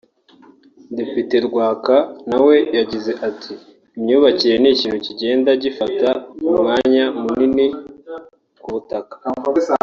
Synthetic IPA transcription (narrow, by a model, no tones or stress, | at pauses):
de̞pite̞ɾɡwaːkanawe̞jaɟize̞ʔatʰiː | mɲuːβaciɾe̞niciːnhuciɟe̞ːndaɟifatamumŋaːɲamunini | kuβutakḁ